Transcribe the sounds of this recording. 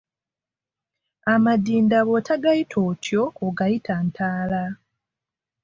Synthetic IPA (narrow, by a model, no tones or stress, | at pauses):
amadiːndaβo̞tʰaɡajitʰo̞ːtjo̞ːɡajitʰantʰaːla